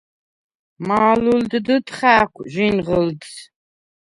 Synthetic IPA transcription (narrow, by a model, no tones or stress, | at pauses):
maːluldɨdɨtχaːkʷʰʒinʁəlt